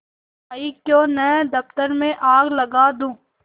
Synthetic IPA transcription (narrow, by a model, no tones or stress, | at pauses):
ɐikjõːnɛd̪ɐft̪əɾmẽʔaːɡlɐɡaːd̪ũː